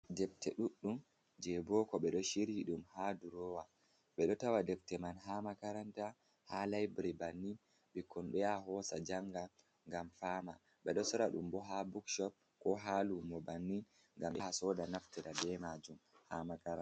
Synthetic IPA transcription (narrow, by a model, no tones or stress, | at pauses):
dɛb̚tɛɗuɗːum | d͡ʒɛbɔkɔɓɛɗɔʃiɾhiɗumhaduɾɔwa | ɓɛɗɔtawadɛbtɛmanɦamakaɾanta | halajbɾibanːin | ɓɛkɔnɓɛaɦɔsad͡ʒaŋɡa | ŋɡamfaːma | ɓɛɗɔsɔɾaɗṵmbɔɦabukʃɔp̚ | kɔɦalumɔbanːin | ŋɡamɓɛhasɔdanaftiɾadɛmad͡ʒumhamakaɾa